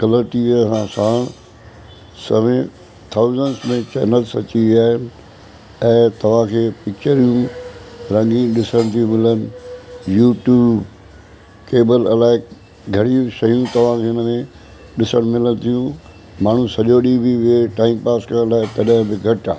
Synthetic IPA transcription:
kɐləɾʈiʋiəsãsaːɽ̃ | sɐʋẽ | t̪ʰaʊzənsmẽt͡ɕɛ̰ːnəlsɐ̰t͡ɕiʋiaːɦɪnɪ̆ | ɛ̃ːt̪ɐʋ̤ãkʰeːpɪk̚t͡ɕəɾijũɾɐ̃ŋɡĩɗɪsəɽ̃t̪ʰiũmɪlənɪ̆juːʈjuːb | keːbəlɐlaːɪk | ɡʱɐɽiũsɐjũt̪ɐʋ̤ãkʰeʊnəmẽ | ɗɪsəɽ̃mɪləñt̪ʰijũ | maːɳ̤ũsɐʄoɗibiʋieʈaːɪmpaːskəɾɐlaːɪt̪ɐɗə̃bɪɡʱɐʈa̰ːɦ

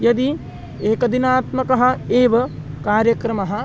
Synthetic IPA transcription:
jɐd̪i | eːkɐd̪inaːt̪mɐkɐɦɐ̆eːʋɐ | kaːɾjɐkɾɐmɐɦɐ̆

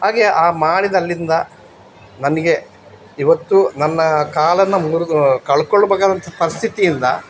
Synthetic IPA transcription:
haːɡeʔaːmaːɽid̪ɐlːind̪ɐ | nɐniɡe̞ | iʋɐt̪ːunɐnːɐkaːlɐnːɐmuɾukɐɭkoɭːɐbɐːɡaːd̪ɐnt̪ɐpɐɾist̪ʰit̪ijind̪ɐ̰

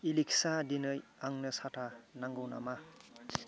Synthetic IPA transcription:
iliksadinɯjaŋnɯsatʰanaŋɡɯwna̰ma

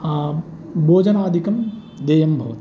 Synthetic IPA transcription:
boːd͡ʒɐnaːd̪ʱikɐm | d̪eːjɐmbʱɐʋɐt̪

